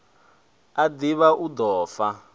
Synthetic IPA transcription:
ad̪iβaʔud̪ɔːfa

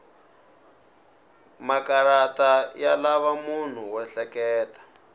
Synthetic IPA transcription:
makaɾatajalaβamun̤uwɛɬɛkɛːtḁ

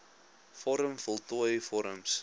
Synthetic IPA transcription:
fɔɾəmfɔlˠtɔəjfɔɾəms

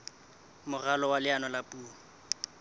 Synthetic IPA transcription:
mʊralɔwalɪanɔlapʼuːŋ̩

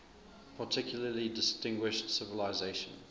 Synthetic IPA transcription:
pʰətʰɪkʰjʊl̩əlidɪstɪ̃ŋɡwɪʃtsɪvəlaɪzeɪʃə̰̃n

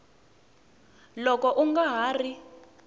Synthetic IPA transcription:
lɔkɔʔuŋɡaɦaːri

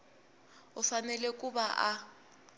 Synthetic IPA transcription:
ʊfanɛlɛkʼubaʔa

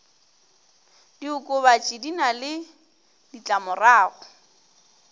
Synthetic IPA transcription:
diʊkʼʊβat͡ʃʼidinalɪ | dit͡ɬʼamʊraːɣʊ

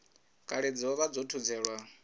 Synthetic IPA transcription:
kʼaɺed͡ziɔβad͡zotʰud͡zɛːɺwa

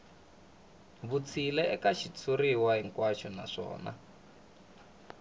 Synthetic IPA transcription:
βut͡sʰilɛɛkaʃit͡sʰuriwaɦiŋkwaʃɔna̰ʂɔ̰ːna̰

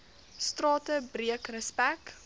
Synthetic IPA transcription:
strɑːtəbriəkrəspæk

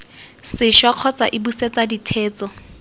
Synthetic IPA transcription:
sɪʃwaq͡χʰɔt͡sʼa̰ʔɪbuset͡saditʰɛːt͡sʼɔ

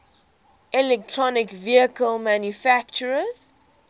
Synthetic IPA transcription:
ʔɛlɛk̚tʰɹɔnɪkviəkəlmãnjufakt͡ʃəɹəz̥

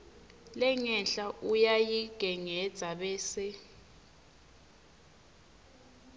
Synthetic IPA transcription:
lɛŋɛnɬaʔujajiɡ̥ʱɛŋɛd̥z̥ʱaɓɛːsɛ

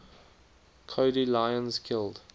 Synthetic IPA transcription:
kʰoʊɾilaɪə̃nzkʰɪlˠd̥

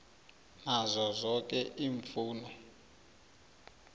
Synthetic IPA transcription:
nazɔzɔkɛʔiːɱfuːnɔ

